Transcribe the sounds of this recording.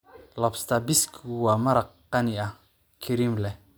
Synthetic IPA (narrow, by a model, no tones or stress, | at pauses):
lɔpst̪abiskuwamaɾa | ania | kʰiɾimlɛ